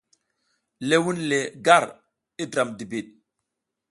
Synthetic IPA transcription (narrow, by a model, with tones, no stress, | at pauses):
le˦wu˦nle˨ɡa˦˨ɾ | i˦dɾa˨mdi˨bi˨ɗ̚